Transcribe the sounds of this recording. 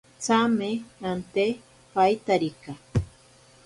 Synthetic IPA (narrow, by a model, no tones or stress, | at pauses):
t͡sameant̪e | pajt̪aɾika